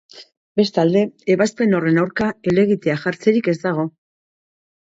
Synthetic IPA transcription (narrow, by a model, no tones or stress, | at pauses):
be̞st̪ald̪e̞ːβaspe̞no̞re̞nawɾkae̞le̞ɣ̞it̪e̞aʝaɾt͡se̞ɾike̞zd̪aɣ̞o̞